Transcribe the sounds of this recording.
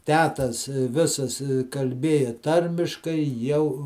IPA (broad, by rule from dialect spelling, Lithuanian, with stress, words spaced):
ˈtʲæːtɐs ˈʋʲɪsɐs kɐlʲˈbʲeːjɛ ˈtɐrʲmʲɪʃkɐɪ ˈjɛʊ